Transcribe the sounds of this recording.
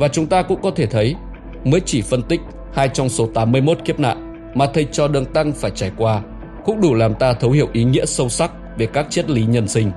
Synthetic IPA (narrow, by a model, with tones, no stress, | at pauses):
vaː˨˩t͡ɕʊ˨˦ŋ͡mt̪aː˧kʊ̰˧˥ŋ͡mkɔ˨˦t̪ʰe˧˩t̪ʰə˨˦j | məː˨˦jt͡ɕi˧˩fə˧nt̪ï˦˥k̟̚ | haː˧jt͡ɕɔ˧wŋ͡mso˨˦t̪aː˨˦mːɨ˧əjmo˦˥t̚ki˦˥əp̚na̰ː˧˨n | maː˨˩t̪ʰə˨˩j̚t͡ɕɔ˧ɗə˧˩ŋt̪a˧ŋfaː˧˩jt͡ɕaː˧˩jkwaː˧ | kʊ̰˧˥ŋ͡mɗu˧˩laː˨˩mt̪aː˧t̪ʰə˨˦whi˧˩əwʔi˨˦ŋḭ˧˥əsə˧wsa˦˥k̚ve˨˩kaː˦˥k̚t͡ɕe˦˥t̚li˨˦ɲə˧nsï˧ŋ̟